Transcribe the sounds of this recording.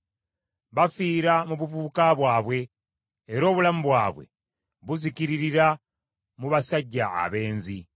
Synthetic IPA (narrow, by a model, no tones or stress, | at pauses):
βafiːɾamuβuvuːkaβwaːβwe̞ː | ɾo̞ːβulamuβwaːβwe̞̰ | βuziciɾiɾiɾa | muβasaɟːa̰ːβe̞ːnzi